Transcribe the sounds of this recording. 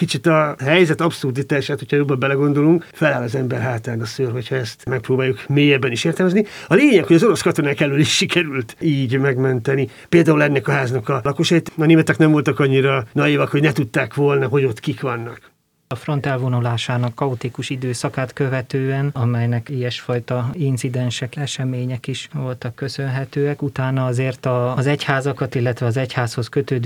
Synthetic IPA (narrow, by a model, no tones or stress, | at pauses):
kit͡ʃit̪ɒɦɛjzɛt̪ɒpsurd̪it̪aːʃaːt̪hocʰhɒjobːɒbɛlɛɡo̞nd̪o̞luŋkfɛlaːlɒzɛmbɛrɦaːt̪aːnɒsøːrɦo̞cʰhɒɛst̪mɛk̚proːbaːjukmeːjɛbːɛniʃeːrt̪ɛlmɛzniɒleːɲɛkhojɒzo̞ɾo̞skɒt̪o̞naːkɛlːyliʃʃikɛɾylt̪iːɟmɛɡmɛnt̪ɛnipeːld̪aːulɛnːɛkɒɦaːznɒkɒlɒkoʃɒjit̪ɒneːmɛt̪ɛknɛɱvo̞lt̪ɒkɒɲːiɾɒnɒjiːvɒkho̞ɟnɛt̪ut̪ːaːkʋo̞lnɒɦo̞ɟo̞t̪kikʋɒnːɒk | ɒfro̞nt̪ɛlvonulaːʃaːnɒkːɒut̪ikuʃid̪øːsɒkaːt̪kø̞vɛt̪øːɛnɒmɛjnɛkijɛʃfɒjt̪ɒint̪sid̪ɛnʃɛkɛʃɛmeːɲɛkiʃʋo̞lt̪ɒkːø̞sø̞nɦɛt̪øːɛkut̪aːnɒɒzeːrt̪ɒzɛchaːzɒkɒt̪ilːɛt̪ʋɛɒzɛchaːsho̞skø̞t̪øːd̪